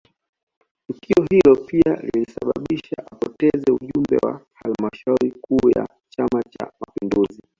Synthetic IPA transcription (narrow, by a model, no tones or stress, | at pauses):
tukʰiɔhilɔpialilisaɓaɓiʃaʔapɔtɛzɛuʄumbɛwa̰halmaʃauɾikuːja̰ | t͡ʃamat͡ʃa̰mapinduzi